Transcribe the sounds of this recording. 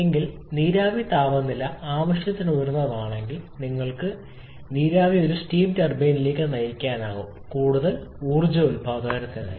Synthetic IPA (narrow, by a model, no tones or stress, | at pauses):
eŋɡil | niːɾaːʋit̪aːʋɐnːilɐaːʋɐʂjɐt̪ːinujɐɾnːɐɐmaːɳe̞ŋɡilniŋːɐɭkɨ | niːɾaːʋio̞ɾustiːmtɐrbeːnile̞ːkʲːɨnɐjɐkʲːaːnaːɣumkuːɽuðɐluːrd͡ʑɐulpaːdaːɾɐt̪ːenɐ̰